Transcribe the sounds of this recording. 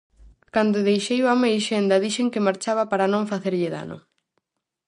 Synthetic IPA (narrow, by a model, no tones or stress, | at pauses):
kand̪oðejʃejwamejʃend̪ɐðiʃeŋkɪmaɾt͡ʃaβɐpaɾɐnõŋfaθeɾʎɪða̰nʊ̰